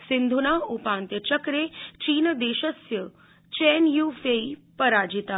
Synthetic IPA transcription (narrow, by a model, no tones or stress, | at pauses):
sɪnd̪ʱunaːupãːnt̪jət͡ʃɐkɾeːt͡ʃiːnəd̪eːʃəsjə | t͡ʃeːnjuːfeipɐɾaːd͡ʒit̪aː